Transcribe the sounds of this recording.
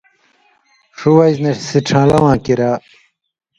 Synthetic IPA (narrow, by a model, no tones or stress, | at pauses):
ʂuwɐjznɐsiʈ͡ʂʰãːlɐwãːkiɾaː